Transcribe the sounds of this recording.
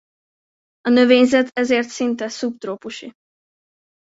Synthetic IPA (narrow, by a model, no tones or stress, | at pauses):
ɒnø̞veːɲzɛt̪ʰɛzeːrt̪sint̪ɛsupt̪roːpuʃi